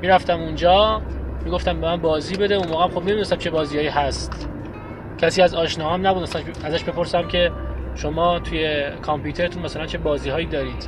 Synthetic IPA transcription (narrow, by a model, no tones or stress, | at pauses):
miːɾæft̪æmund͡ʒɒːmiːɡo̞ft̪æmbemænbɒːziːbe̞d̪eunmɔːɣeæmxob̚ned̪nesæmt͡ʃʰe̞bɒːzijɒːjiːhæst̪ | cʰæsiːæzɒːʃnɒːhæmnæbud̪̚mæsæ | æzæʃbe̞pʰo̞ɾsæmcʰe̞ʃomɒːt̪ʰuje̞kʰɒmpjuːt̪ʰe̞ɾet̪ʰunmæsælænt͡ʃʰe̞bɒːziːɦɒːjiːd̪ɒːɾiːd̪̥